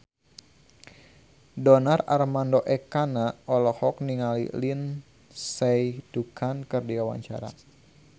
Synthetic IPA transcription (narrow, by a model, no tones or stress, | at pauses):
dɔnara̰rmandoʔɛkanaʔɔlɔhɔk̚niŋalḭlin | sɛjdukʰankərdiawa̰ɲt͡ʃa̰ɾa̰